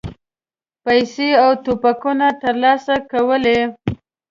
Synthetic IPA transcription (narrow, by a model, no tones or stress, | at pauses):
pajseawt̪opakunat̪əɾlɑsakawəle